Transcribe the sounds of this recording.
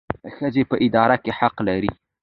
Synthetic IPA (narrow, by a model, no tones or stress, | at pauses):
xəzepəʔɪd̪ɑɾakeħaqlaɾḭ